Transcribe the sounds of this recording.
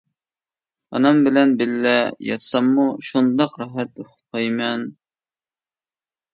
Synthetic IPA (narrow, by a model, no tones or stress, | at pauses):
ɑ̰nɑmbɪlɛnbɪlːɛjɑ̰t̪sɑmːuʃund̪ɑqɾɑɦɛt̪̚oχʊ̥qʰɑjmɛn